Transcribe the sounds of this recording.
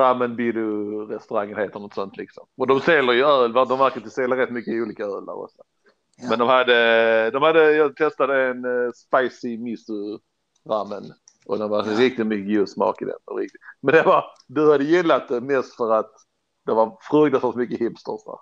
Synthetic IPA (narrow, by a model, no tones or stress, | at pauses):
amːənbiːlʊɾɛst̪ɵɾaŋːənheːt̪əlnɔt̪sɔnt̪ʰlɪksɔmɔd̪ɔmseːləɾjɵœːlvad̪ɔmvæɾkəɪt̪əseːləɾɛt̪ːmʏkːəuːliːkaœːla̰ɾɔ̰sɔ | mɛnd̪ɔmhad̪ːəd̪ɔmhad̪ːəjɑːɡ̚t̪ʰɛst̪ad̪əɛnspaɪsɪmɪsʉ | ɾamːən | ɔd̪ɛnvaɾɪk̚t̪ɪt̪mʏkːəɡʉːd̪smɑ̰ːkɪd̪ɛ̰nɔ̰ɾɪ̰k̚t̪ɪt̪mɛnd̪ɛvɑɾd̪ɵhad̪ːəjɪlːat̪̚d̪ɛmɛst̪fœɾat̪ | d̪ɛvaɾfɾɵːɡd̪asvalt̪mʏkːəhɪpst̪ɔsd̪æ̰ɾ